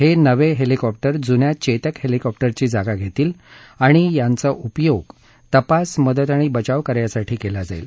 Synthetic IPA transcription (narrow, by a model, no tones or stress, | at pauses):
henəʋeɦelikɔp̚ʈəɾd͡zunjat͡ɕet̪əkhelikɔp̚ʈəɾt͡ɕiːd͡zaɡaɡʱet̪iːl | aɽ̃ijant͡səʔupjoɡ | t̪əpasməd̪ət̪aɽ̃ibət͡ɕaʋkəɾjasaʈʰiːkelad͡zaḭl